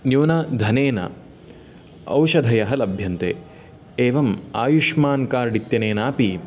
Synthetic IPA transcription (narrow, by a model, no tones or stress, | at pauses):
njuːnɐd̪ʱɐneːnɐ̰ | ɐ̰wʃɐd̪ʱɐjɐɦɐlɐbʱjɐnt̪eː | eːʋɐmaːjuʃmaːnkaːɾɽit̪jɐneːnaːpi